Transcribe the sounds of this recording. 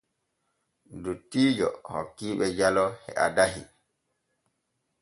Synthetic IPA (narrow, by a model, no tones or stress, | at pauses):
dutːiːd͡ʒɔhɔ̰kːiːɓɛd͡ʒalɔhɛ̰a̰daɦḭ